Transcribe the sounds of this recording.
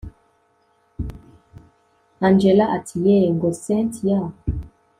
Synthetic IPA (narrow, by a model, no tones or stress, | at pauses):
ãnd͡ʒɛlaʔatʰijɛŋɡɔsɛ̃tija